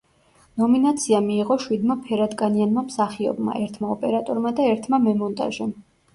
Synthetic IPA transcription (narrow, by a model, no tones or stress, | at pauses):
nɔminat̪sʰiamiːʁɔʃwid̪mapʰɛɾad̪kʼanianmamsaχiɔ̰bma̰ʔɛɾt̪ʰmaɔpʼɛɾat̪ʼɔɾmad̪aɛɾt̪ʰmamɛmɔnt̪ʼa̰ʒɛm